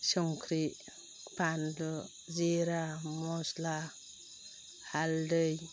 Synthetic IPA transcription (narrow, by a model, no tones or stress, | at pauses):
sɔŋkʰɾi | pandɔ | ziɾamɔsla | haldɯj